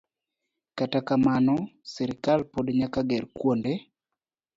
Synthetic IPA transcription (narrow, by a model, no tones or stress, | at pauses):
katakamanɔsɛɾɪkalpodɲakaɡɛɾkwonde